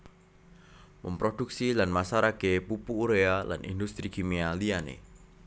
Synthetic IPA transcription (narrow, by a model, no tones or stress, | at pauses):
məmpɾod̥uk̚silanmasaɾakepupuːɾeala̰nḭndust̪ɾikimialianḛ